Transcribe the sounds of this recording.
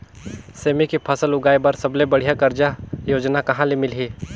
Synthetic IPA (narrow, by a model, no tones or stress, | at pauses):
seːmikipʰɐsəlʊɡaːibɐɾsɐblebɐɽ̤ijakɐɾd͡ʒajoːd͡ʒnakɐɦãlemɪlɦiː